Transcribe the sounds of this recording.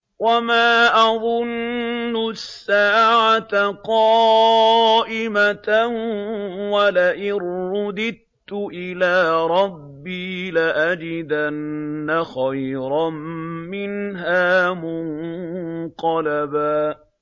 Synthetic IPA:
wamaːʔɑðˤʊnːʊsːaːʕat̪aqɑ | ʔɪmat̪a | walaʔɪɾːʊd̪ɪd̪ | t̪ʊʔɪlaːɾˤɑbːiːlaʔad͡ʒɪd̪anːaxajɾˤɑmmɪnɦaːmʊn | q̪ɑlabaː

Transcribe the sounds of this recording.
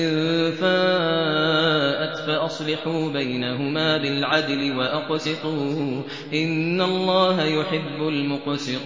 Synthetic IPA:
ʔɪðfa | ʔat̪faʔɑsˤlɪħuːbajnaɦʊmaːbɪlʕad̪lɪwaʔɑqsɪq̪uː | ʔɪnːalˤːɑːɦajʊħɪbːʊlmʊqsɪqː

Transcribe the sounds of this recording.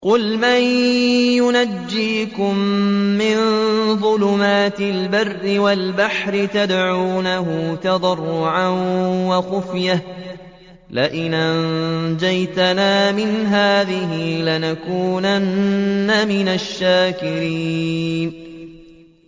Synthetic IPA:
qʊlmajjʊnad͡ʒːiːkʊmːɪnðˤʊlʊmaːt̪ɪlbarːɪwalbaħɾɪt̪ad̪ʕuːnaɦʊt̪ɑd̪ˤɑrːʊʕanwɑxʊfjah | laʔɪnʔand͡ʒajt̪anaːmɪnɦaːðɪɦɪlanakuːnanːamɪnaʃːaːkɪɾiːn

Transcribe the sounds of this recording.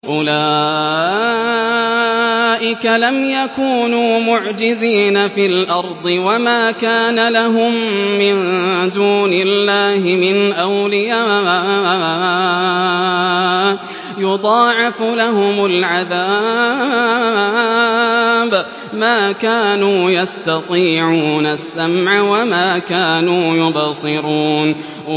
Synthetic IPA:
ʔʊlaː | ʔɪkalamjakuːnuːmʊʕd͡ʒɪziːnafiːlʔɑɾˤd̪ˤɨwamaːkaːnalaɦʊmːɪnd̪uːnɪlːaːɦɪmɪnʔawlɪja | jʊd̪ˤɑːʕɪfʊlaɦʊmalʕaðaː | b | maːkaːnuːjɑst̪ɑt̪ˤiːʕuːnasːamʕawamaːkaːnuːjʊbsˤɨɾuːn

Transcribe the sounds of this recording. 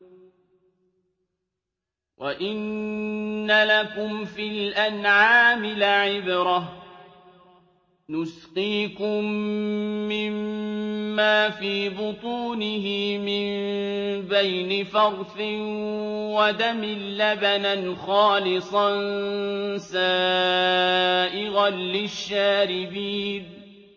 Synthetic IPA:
wʔaʔɪnː | alakʊmfilʔanʕaːmɪlʕɪbɾɑh | nʊsqiːkʊmː | ɪmː | aːfiːbʊt̪ˤuːnɪɦɪmɪm | bajnɪfɑɣfɪ | wad̪amɪlːabananxɑːlɪsˤɑn | saː | ʔɪɣanlɪʃːaːɾɪbiːn

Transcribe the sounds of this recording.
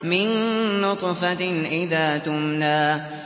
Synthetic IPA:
mɪnːʊt̪ˤfaʔɪðaːt̪ʊmnaː

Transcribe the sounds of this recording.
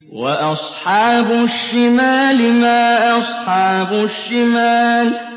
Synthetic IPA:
waʔɑsˤħɑːbʊʃːɪmaːlɪmaːʔɑsˤħɑːbʊʃːɪmaːl

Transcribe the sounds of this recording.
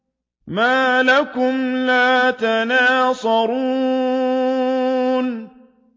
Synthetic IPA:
maːlakʊmlaːt̪anaːsˤɑɾuː | n

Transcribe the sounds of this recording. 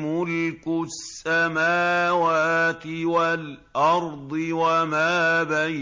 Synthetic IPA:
mʊlkʊsːamaːwaːt̪ɪwal | ʔɑɾˤd̪ˤɨwamaːba

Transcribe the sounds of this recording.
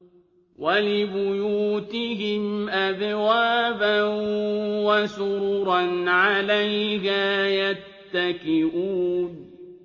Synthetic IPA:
walɪbʊjuːt̪ɪɦɪmʔabwaːbanwasʊɾuːɾɑnʕalajɦaːjatt̪ːakɪʔuːn

